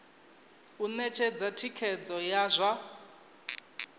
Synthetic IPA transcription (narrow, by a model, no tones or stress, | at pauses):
unɛt͡ʃʰɛd͡zatʰikʰɛd͡zɔjazʷa